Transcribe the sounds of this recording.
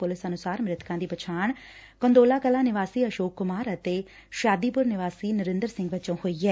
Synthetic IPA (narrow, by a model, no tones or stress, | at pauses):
pʊlɪsənʊsaːɾmɾɪt̪ʰkãːd̪iːpət͡ʃʰaːɳ | kə̃nd̪oːlaːkəlãːnɪʋaːsiːəʃoːkːʊmaːɾət̪eː | ʃaːd̪iːpʊɾnɪʋaːsiːnəɾɪ̃nd̪əɾsɪ̃ŋɡʋət͡ʃõːhoːiːɛː